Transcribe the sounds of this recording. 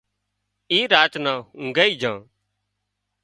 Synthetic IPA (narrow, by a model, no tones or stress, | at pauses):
iːɾaːt͡ʃnãːɦʊ̃ŋɡəːiːd͡ʒʱãː